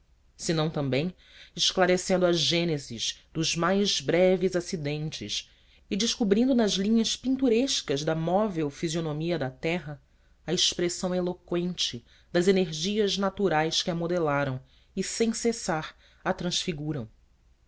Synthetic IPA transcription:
sɪnɐ̃w̃t̪ɐ̃mbẽj̃ | ɪʃklaɾesẽnd̪ʊɐʒʒẽnezḭzd̪ʊzmajzbɾɛvizasid̪ẽnt͡ʃɪʃ | ɪd͡ʒɪʃkubɾĩnd̪ʊnɐzlĩɲɐʃpĩnt̪uɾeʃkɐzd̪ɐmɔvewfizionomiɐd̪ɐt̪ɛɦɐ | ɐeʃpɾesɐ̃w̃elokwẽnt͡ʃɪ | d̪ɐzeneɾʒiɐʒnat̪uɾajskɪamod̪elaɾɐ̃w̃ | ɪsẽj̃sesaɾ | ɐt̪ɾɐ̃ʃfiɡuɾɐ̃w̃

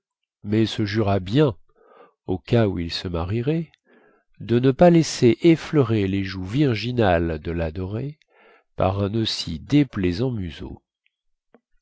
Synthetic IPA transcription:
mɛsəʒyʁabjɛ̃ | okauilsəmaʁiʁɛ | d̪ənəpalɛseʔeflœʁeleʒuviʁʒinald̪əlad̪ɔʁe | pa̰ʁɛ̃nosid̪eplɛzɑ̃myzo̰

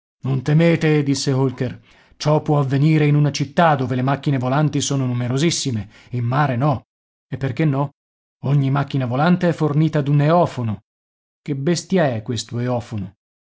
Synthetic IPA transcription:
nont̪emeːt̪ed̪isːeɦolker | t͡ʃɔpːwɔavːeniːɾeinunat͡ʃit̪ːad̪ːoːvelemakːinevolant̪isoːnonumeɾozisːime | immaːɾenɔ | epːerk̟enːɔ | oɲːimakːinavolant̪eɛfːorniːt̪ad̪uneɔːfono | kebest̪jaɛkːwest̪oeɔːfono

